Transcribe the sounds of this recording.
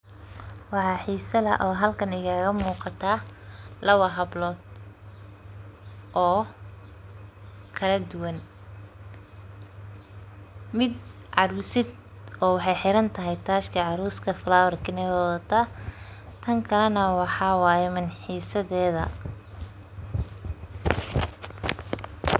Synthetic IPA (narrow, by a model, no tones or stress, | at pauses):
wɑħɑːħiːsɐðɐ̰ʔɔːɦɐlkʰɐnɪɣaːɣɐmuːqɑt̪ʰaːlɐwɐɦɐblɔːd̪̚ | ʔɔː | kʰɐlɐd̪ʊwɐn | mɪd̪ | ʕɑɾuːsɪd̪ | ɔːwɑħɑjħɪɾɐnt̪ʰɐɦɛjt̪ʰaːʃkʰɐʕɑɾuːskʰɐflaːwɐrkʰɪnɛwɛɐt̪ʰaː | t̪ʰɐŋkʰɐlɛnɐwɑħɑːwɑːjɛmɪnħiːsɐðɛːðɐ̰